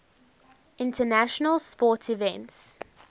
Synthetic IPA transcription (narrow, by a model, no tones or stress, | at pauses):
ʔɪ̃ntʰənæʃənəlˠspɔˑtivɛ̃nts